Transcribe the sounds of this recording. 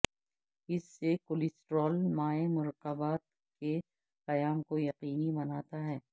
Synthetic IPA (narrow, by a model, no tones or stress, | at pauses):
ɪsːekolɪsʈɾɔːlmaːemʊɾəqːəbaːt̪̚ | ke | qɐjaːmkojɐqiːnibɐnaːt̪aɦɛː